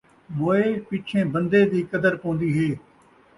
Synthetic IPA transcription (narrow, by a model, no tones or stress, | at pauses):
ɓoːepiːt͡ʃʰẽːbə̃nd̪ed̪iːkəd̪əɾkõːn̆d̪iːɦeː